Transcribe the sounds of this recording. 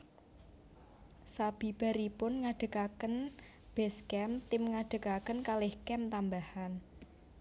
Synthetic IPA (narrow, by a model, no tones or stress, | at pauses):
sab̥i̤b̥a̤ɾipʊnŋaɖ̥ə̤kakən | b̥ɛskɛmt̪ɪmŋaɖ̥ə̤kakənkalɪhkɛmt̪ambahan